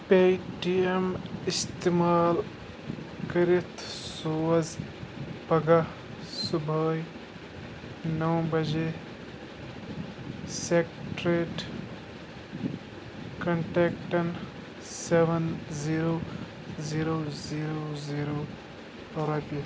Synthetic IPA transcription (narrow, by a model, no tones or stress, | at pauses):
peʈiemist̪imaːl | kɐɾit̪ʰsoːz | pɐɡa | subʱəːj | nɐwbɐd͡ʒe | sekʈɾeʈ | kɐɳʈeːkʈɐn | seʋɐnziːɾoː | ziːɾoːziːɾoːziːɾoː | ɐɾɐpi